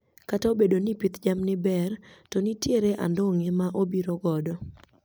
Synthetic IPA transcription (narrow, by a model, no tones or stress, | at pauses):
kataobedonipit̪d͡ʒamnɪbɛrtɔnitjeɾeʔa̰ndɔŋemaʔobiɾɔɡɔdɔ